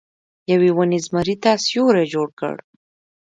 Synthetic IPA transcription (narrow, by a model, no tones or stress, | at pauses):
jawewanizmaɾit̪asjoɾed͡ʒoɽkə̰ɽ